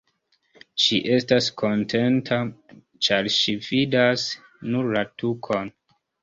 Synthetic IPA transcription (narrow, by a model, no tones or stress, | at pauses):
ʃiʔe̞staskʰo̞ntʰe̞ntʰa | t͡ʃaɾʃividas | nuɾlatukʰo̞n